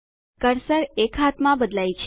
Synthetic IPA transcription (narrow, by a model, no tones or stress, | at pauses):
kəɾsəɾekʰat̪mãbəd̪lajt͡ʃʰ